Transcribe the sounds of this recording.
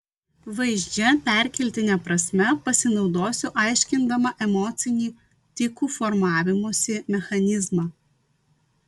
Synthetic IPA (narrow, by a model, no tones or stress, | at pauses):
ʋɐɪʒʲd͡ʒʲɛpʲæˑɾʲkʲɛlʲt̪ʲɪnʲɛpɾɐsʲmʲɛpɐsʲɪnɒʊd̪oːsʲʊʔɑˑɪʃʲkʲɪnd̪ɐmɐʔɛmɔt̪sʲɪnʲiː | t̪ʲɪkuːfɔɾmɑːʋʲɪmoːsʲɪmʲɛxɐnʲɪzmɑː